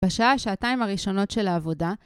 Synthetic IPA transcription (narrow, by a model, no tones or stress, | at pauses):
aʃaaaʃaːtaimaʁiʃo̞no̞tʃe̞laːvo̞da